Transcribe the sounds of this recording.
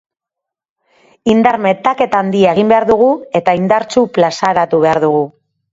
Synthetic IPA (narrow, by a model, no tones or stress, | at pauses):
ind̪aɾme̞t̪ake̞t̪and̪iaeɣimbe̞aɾðuɣ̞ue̞t̪aind̪aɾt͡ʃuplasaɾat̪uβe̞aɾðuɣ̞u